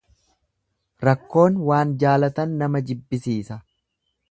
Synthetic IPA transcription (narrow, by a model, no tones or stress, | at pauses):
ɾɐkːo̞ːnwaːnd͡ʒaːlɐt̪ɐnːɐmɐd͡ʒɪbːɪsiːsɐ